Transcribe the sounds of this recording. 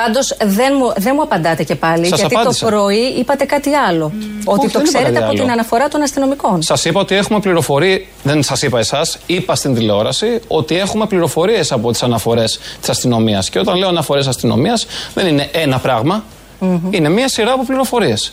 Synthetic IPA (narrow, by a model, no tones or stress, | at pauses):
pɐnd̪o̞sðe̞nmuðe̞nmuɐpɐnd̪ɐt̪e̞ce̞pɐlisɐsɐɐiɐndt̪oisɾo̞iipɐt̪e̞kɐt̪iɐlo̞oit̪oksseɾet̪eɐɐolt̪inɐnɐfo̞ɾɐt̪o̞nɐst̪ino̞miko̞nsɐsipɐo̞t̪ie̞xume̞pliɾo̞fo̞ɾi | ðensɐsipɐe̞sɐsipɐst̪ind̪ileo̞ɾɐsio̞t̪ie̞xume̞pliɾo̞fo̞ɾie̞sɐpo̞t̪i̥sɐnɐfo̞ɾe̞st̪isɐst̪ino̞miɐsceo̞t̪ɐnle̞o̞ɐnɐfoɾe̞sɐst̪ino̞̰miɐsðe̞nine̞ʔe̞nɐpɾɐɣmɐ | ine̞miɐsiɾɐːpo̞pliɾo̞fo̞ɾie̞s